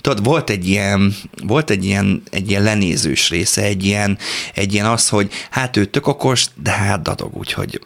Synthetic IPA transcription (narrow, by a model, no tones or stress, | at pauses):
t̪od̪ʋo̞lt̪ɛɟːijɛnvo̞lt̪ɛɟːijɛnɛ̰ɟːijɛnlɛnḛːzø̰ːʃreːsɛɛɟːijɛnɛɟːijɛnɒsho̞ɟhaːt̪øːt̪øko̞ko̞ʒd̪ɛɦaːt̪̚d̪ɒ̰d̪o̞̰ɡṵːcho̞̰ɟ